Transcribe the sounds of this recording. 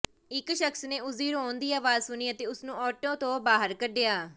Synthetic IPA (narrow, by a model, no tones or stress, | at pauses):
ɪkʃəksneːʊziːɾɦoːnd̪iːaːʋaːzsʊniːət̪eːʊsnũːɔːʈõːt̪õːbaːɦəɾkəɖɪjaː